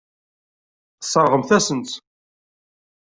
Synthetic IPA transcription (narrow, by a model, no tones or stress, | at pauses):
θəsˤːəɾˤʁəmθæsənt̪